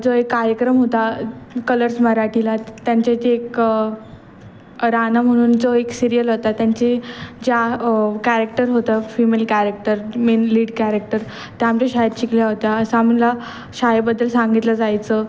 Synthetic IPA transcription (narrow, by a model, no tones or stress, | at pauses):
d͡zoekːaɾjəkɾəmɦot̪akələɾsməɾaʈʰilat̪jaɲt͡ɕat͡ɕiek | ɾanəm̤əɽ̃uːnd͡zoeksiɾijəlɦot̪at̪jaɲt͡ɕid͡ʑakæɾek̚ʈəɾɦot̪afimelkæɾek̚ʈəɾmenliːɖkæɾek̚ʈəɾ | t̪aamt͡ɕaɕaɦjt̪ɕikljaɦot̪aəsamila | ɕajebəd̪ːəlsãŋɡit̪lad͡zajt͡sə